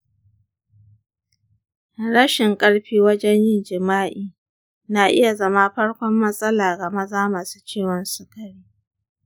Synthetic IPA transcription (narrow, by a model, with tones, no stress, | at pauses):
ɽɐ˦ʃɪ˨ŋkʼɐ˦ɽɸiː˦wɐ˦d͡ʒɛ˦ɲjɪ˦d͡ʒɪ˨maː˦ʔiː˨ | naː˨ʔɪ̰˦ja˨zɐ˦ma˦ɸɐ˦ɽkʷɔ˦mːɐ˦sʼɐ˦laː˨ɡɐ˨mɐ˦zaː˦maː˨su̥˦t͡ʃeː˦˨wɔ˨nsʊ˦kɐ˨ɽiː˦